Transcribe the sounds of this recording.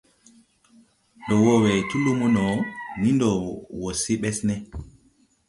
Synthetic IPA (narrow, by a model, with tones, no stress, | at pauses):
dɔ˨wɔ˦wɛ˨tu˦lu˦mu˦nɔ˨ni˦ndɔ˨wo˨si˦ɓɛ˦snɛ